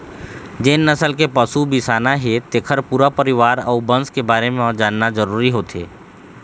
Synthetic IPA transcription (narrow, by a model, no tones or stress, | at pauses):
d͡ʒeːnːɐsəlk̬epɐsubɪsaːnaɦɛt̪eːkʰəɾpuːɾapəɾɪʋaːɾɔːɾbɐ̃nskebaːɾemẽɔd͡ʒaːnːazəɾuːɾiɦoːt̪ḛː